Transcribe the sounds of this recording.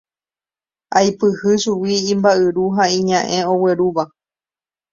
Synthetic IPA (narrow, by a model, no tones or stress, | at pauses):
ajpɨhɨʃuwiĩmbaɨɾuɦaĩɲãʔẽ̞o̞we̞ɾuʋa